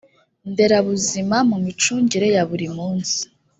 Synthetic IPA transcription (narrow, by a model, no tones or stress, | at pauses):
nde̞ɾaβuzimamumit͡ʃuːɲɟiɾe̞jaβuɾimuːnsi̥